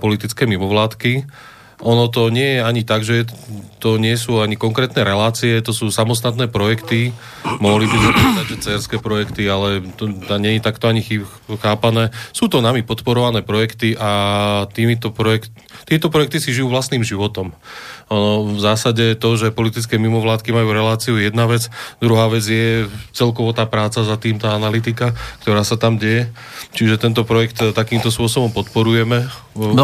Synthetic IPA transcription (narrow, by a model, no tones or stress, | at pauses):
pɔlit̪it͡skɛːmimɔʋlaːt̪ki | ʔɔnɔt̪̬ɔɲɪɛjɛaɲit̪aɡʒɛɛt̪ɔɲɪɛs̬uːaɲikɔŋkɾɛːt̪nɛɾɛlaːt͡siɛt̪ɔsuːsamɔst̪at̪nɛːpɾɔjɛkt̪i | mʊɔɦlibimupɾɔʋɛd̪aɟʒɛt͡sɛːɾskɛːpɾɔjɛkt̪ialɛt̪ɔt̪aɲɛjit̪akt̪ɔaɲixi | xaːpanɛːsuːt̪ɔnamipɔt̪pɔɾɔʋanɛːpɾɔjɛkt̪iʔat̪iːmit̪ɔpɾɔɛkt | t̪iɛt̪ɔpɾɔjɛk̚t̪isiʒijuːʋlast̪niːmʒiʋɔt̪ɔmnɔvzaːsaɟɛt̪ɔʒɛpɔlit̪it͡skɛːmimɔʋlaːt̪kimajuːɾɛlaːt͡siujɛd̪naʋɛt͡sd̪ɾuɦaːʋɛd͡zɪjɛt͡sɛlkɔʋɔt̪aːpɾaːt͡sazat̪iːmt̪aːanalit̪ikakt̪ɔɾaːsat̪amɟɛjɛ | t͡ʃiʒɛt̪ɛnt̪ɔpɾɔjɛkt̪t̪akiːmt̪ɔspʊɔsɔbɔmpɔt̪pɔɾujɛmɛ | n